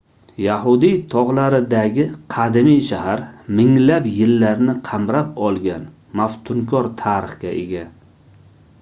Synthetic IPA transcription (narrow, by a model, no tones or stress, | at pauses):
jaɦʊd̪ijt̪ʰɒʁlˠaɾɪd̪aɡʲɪqʰɑd̪ɪmijʃahaɾmɪŋlapjɪlːaɾnɪqʰɑmɾapɒlˠɡʲan | maft̪ʰʊŋkʰɒɾt̪ʰaɾɪχɡʲaʔe̞̰ɡʲa